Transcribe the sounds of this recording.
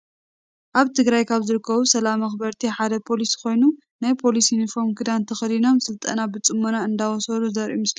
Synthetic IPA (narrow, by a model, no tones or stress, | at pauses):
ʔaβt̪ʰɨɡɾajkʰaβzɨɾɨkːɐβusɐlamɐxbɐɾt̪ʰiħad̪ɐpʰo̞liskʰo̞jnu | najpʰo̞lisjunifo̞ɾmkʰɨd̪ant̪ʰɐxɐd̪ino̞msɨlt̪ʼɐ̰nabɨt͡sʼɨmːonaɨnd̪awɔsɐluzɐɾʔṵmɨsli